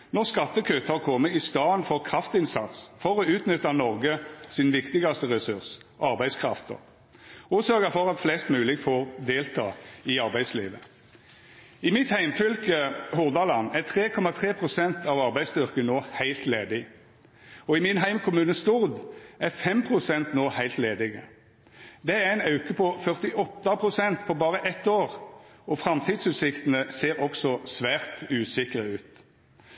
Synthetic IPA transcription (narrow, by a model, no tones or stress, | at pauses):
nɔʁskɑt̪ːəkʰøːt̪əɑʁkʰɔmːəɪst̪ɑːənfɔʁkʰɾɑft̪ɪnsɑt̪sfɔʁɔʉːt̪nʏt̪ːɑnɔʁɡəsɪnʋɪkt̪ɪɡɑst̪əʁɛsʉʁsʔɑʁbæɪskʰɾɑft̪ə̰ʁ | uːsøːɡəfɔʁɑt̪flɛst̪mʉːlɪɡfoːʁd̪eːlt̪ʰɑ̰ːɪɑɾbæɪslḭːʋə | ɪmɪt̪hæɪmfʏlkəhʊʁd̪ɑlɑnːæt̪ʰʁeːkʰɔmɑt̪ʰʁeːpʰʁʊsɛnt̪ʰɑʋɑʁbæɪst̪ʏʁkənoːhæɪlt̪leːd̪ɪ | ɔɪmɪnɦæɪmkʰʊmʉːnəst̪ʊʁd̪æʁfɛmpʰʁʊsɛnt̪noːhæɪlt̪leːd̪ɪɡə̰ | d̪ɛæʁæɪnɑʉkəpʰɔfœʁt̪ɪʔɔt̪ːɑpʰʁʊsɛnt̪pʰɔbɑːʁəʔɛt̪ːoːʁɔfʁɑmt̪ʰiːd̪sʉːt̪sɪkt̪ənəseːʁɔksɔsʋæːʁt̪ʉːsɪkəʁəʉːt̪